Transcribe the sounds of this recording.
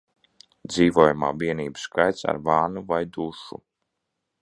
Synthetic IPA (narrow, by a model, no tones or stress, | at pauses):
d̪ziːvuɔjumaːviɛniːbɨ̥skajt̪sa̰ɾvaːnuvajd̪uʃṵ